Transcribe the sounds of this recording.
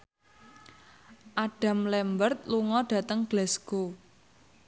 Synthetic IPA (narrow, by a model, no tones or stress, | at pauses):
ʔaɖ̥a̤mlɛmbərt̪̚luŋɔɖ̥ä̤t̪əŋɡ̥lɛsɡ̥o